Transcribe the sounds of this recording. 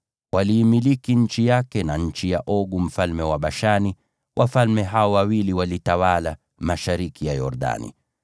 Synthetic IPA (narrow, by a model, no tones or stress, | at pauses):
waliːmilikiɲ̩t͡ʃijakɛnaɲ̩t͡ʃijaʔɔɡum̩falmɛwaɓaʃani | wʔafalmɛɦaɔwawiliwalitawala | maʃaɾikijajɔ̰ɾɗa̰nḭ